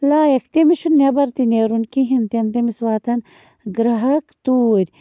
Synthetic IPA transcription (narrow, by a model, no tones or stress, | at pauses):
laːjɐkʰt̪emiʃunːebɐɾt̪ineːɾunkiɦint̪ent̪emiswaːt̪ʰɐn | ɡɾɐɦɐkt̪uːɾʲ